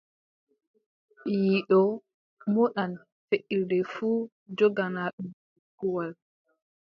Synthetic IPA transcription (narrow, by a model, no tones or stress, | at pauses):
ɓijiɗɔ | mɔɗan | feʔiɾdɛfuː | d͡ʒɔɡanaɗum | kuwal